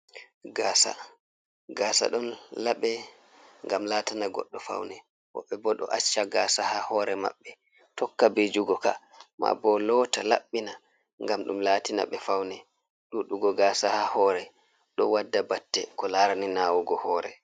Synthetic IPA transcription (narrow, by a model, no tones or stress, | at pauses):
ɡaːsa̰ | ɡaːsa̰ɗɔnlaɓɛ | ŋɡamlaːtanaɡɔ̰ɗːɔfa̰wnɛ | wɔ̰ɓːɛbɔɗɔ̰ʔat͡ʃːaɡasahahɔɾɛma̰ɓːɛ | tɔkːabed͡ʒuɡɔka | ma̰bɔlɔtalaɓːina | ŋɡamɗumlaːtina̰ɓɛfawnɛ | ɗuɗuɡɔɡaːsahahɔɾɛ | ɗɔwadːabatːɛkɔlaɾaninawuɡɔhɔːɾɛ